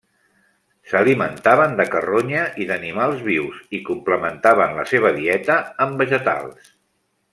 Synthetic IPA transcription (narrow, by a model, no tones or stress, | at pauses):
səlimənt̪aβənd̪əkəroɲəʔiðənimalˠzβiwzikumpləmənt̪aβ̞ənlə̰seβ̞əðiɛt̪əːmbəʒət̪a̰lˠs